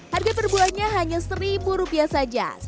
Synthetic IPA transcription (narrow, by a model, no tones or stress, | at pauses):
harɡap̬ərbuaɲaɦaɲasəɾibuɾupiahsad͡ʒa̰